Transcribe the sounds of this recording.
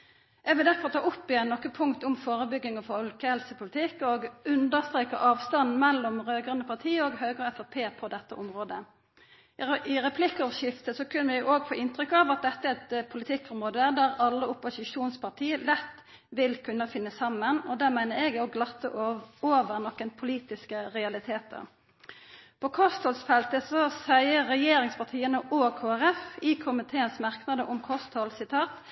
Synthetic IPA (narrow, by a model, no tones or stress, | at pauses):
ʔɛɡʋɪld̪æɾkʰʋɑt̪ʰɑːʔʊpːɪɛnnɔkːəpʰʊŋkt̪ɔmfoːʁəbʏɡːɪŋɑʋfɔlkəhɛlsəpʰʊlɪt̪ʰɪkːɔɡʉnd̪əʁst̪ɾeːkɑ̰ʔɑːʋst̪ɑnn̩mɛlːɔmɾøːɡʁənəpʰɑʁt̪ʰiːɔɡɦøːɡʁəɛfɑpʰeːpʰɔd̪ɛt̪ːəʔɔmʁoːd̪ə | ɪʁɛpʰlɪkːɔʋəʂɪft̪əsɔkʰʉnːəʋɪʔoːɡfoːʔɪnt̪ɾʏkːɑʋɑt̪̚d̪ɛt̪ːəɛɛt̪pʰʊlɪt̪ʰɪkːɔmʁoːd̪əæd̪æʁɑlːəʊpʊsɪʂuːnspʰɑt̪ʰiːəlɛt̪ː | ʋɪlkʰʉnːəfɪnːəsɑmːənɔd̪æːʁmæɪnəɛɡɔɡlɑt̪ːə̰oːʋəʁnɔkːənpʰʊliːt̪ɪskəʁɛɑlɪt̪ʰeːt̪ə̰ | pʰɔkʰɔst̪hɔlsfɛlt̪əsɔsæɪəːɛjeːɾɪŋspʰɑʁt̪ʰiːənəʔoːkʰoːæɾɛfɪkʰʊmɪt̪ʰeːənsmɑʁknɑd̪əʔʊmkʰɔst̪hɔlsɪt̪ʰɑːt̪